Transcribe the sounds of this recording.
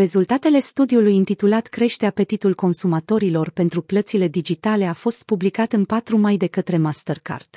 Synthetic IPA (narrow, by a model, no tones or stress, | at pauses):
ɾe̞zult̪at̪e̞le̞st̪ud̪iulujɨnt̪it̪ulat̪kɾe̞ʃt̪eape̞t̪it̪ulko̞nsumat̪o̞ɾilo̞rpe̞nt̪ɾuplət̪sile̞d̪id͡ʒit̪ale̞afo̞st̪̚publikat̪ɨnpat̪ɾumajd̪e̞kət̪ɾe̞mast̪ərka̰rt̪